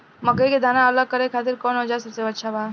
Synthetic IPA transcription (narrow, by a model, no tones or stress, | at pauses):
məɡeked̪ʱaːnaələɡ̚kːəɾekʰaːt̪ɪɾkɔːnɦod͡ʒasəseətːʃʰabaː